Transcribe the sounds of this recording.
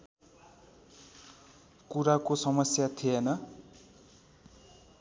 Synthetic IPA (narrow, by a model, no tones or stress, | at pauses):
kuɾakosʌmʌsjat̪ʰienʌ